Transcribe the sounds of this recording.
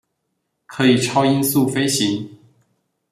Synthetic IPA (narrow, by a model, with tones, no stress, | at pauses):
kʰɤ˧˥i˨˩ʈ͡ʂʰɑ˥ʊi˥nsu˥˩fe˥ɪɕi˧˥ŋ